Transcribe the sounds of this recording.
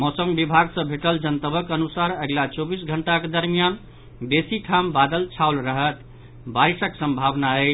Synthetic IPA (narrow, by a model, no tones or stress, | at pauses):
mɔsəŋɡbibʱaɡsə̃bʱeʈəld͡ʒənt̪əbʱəkənusaɾəɡlat͡ʃobisɡʱəɳʈaked̪əɾmijan | besiʈʰambad̪əlt͡ʃʰaolɾəɦət̪ | baɾisəksəmbʱabnaəɪ